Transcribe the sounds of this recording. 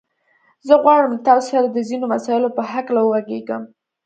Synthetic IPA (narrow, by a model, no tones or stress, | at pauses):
zəɣwɑɽəmt̪ɑsaad̪əzinomasɑjɪlopəɦaklawəwaɡeɡəm